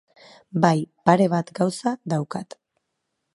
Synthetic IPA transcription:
bajpaɾe̞β̞at̪ɡawsaðawkat̪

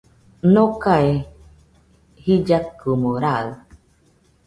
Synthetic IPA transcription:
nõkae | hid͡ʒakɨmoɾaɯ

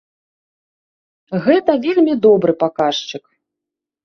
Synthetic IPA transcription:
ɣɛt̪ɐvʲɛlʲmʲid̪ɔbɾɨpakaʂt͡ʃɨk

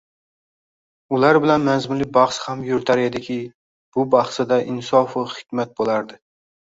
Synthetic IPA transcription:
ʊlaɾbɪlanmazmʊnlɪbɑχshamjʊɾt̪ʰaɾed̪ɪkʲʰɪ | b̥ʊbɑχsɪd̪aʔɪnsɒfʊχɪ̥kʲmat̪̚bolaɾd̪ɪ

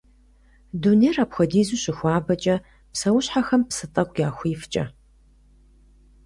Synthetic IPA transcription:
duneːraːpxʷɐdiːzuɕɪxʷaːbɐt͡ʃʼɐ | psɐwʊɕħaxɐmpsɨtʼɐkʷʼjaːxʷiːft͡ʃʼɐ̰

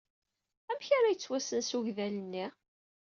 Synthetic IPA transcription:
æmçaɾajət͡sːwæsənsuʝðælənːi

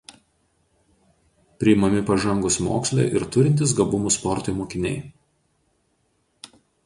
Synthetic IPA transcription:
pʲɾʲɪɪmɐmʲɪpɐʒɐŋɡʊsmo̰ːksʲlʲɛ̰ːˑʔɪɾt̪ʊɾʲɪnt̪ʲɪsɡɐbʊmuˑspɔɾt̪ʊˑmoːkʲɪnʲɛ̰ɪ

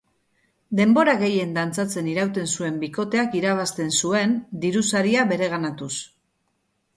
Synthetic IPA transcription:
d̪e̞mbo̞ɾaɣe̞je̞nd̪ant͡sat͡se̞niɾawt̪e̞nsue̞mbiko̞t̪e̞akiɾaβ̞ast̪e̞nsue̞nd̪iɾusaɾiaβe̞ɾe̞ɣ̞anat̪us

